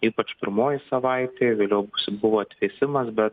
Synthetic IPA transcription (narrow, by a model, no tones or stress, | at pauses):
iːpɐt͡ʃpʲɪɾmoːjɪsɐʋɐɪt̪ʲeːʋʲeːlʲɛʊbʊsbʊʋoːɐt̪ʲʋʲeːsʲɪmɐsbʲɛt̪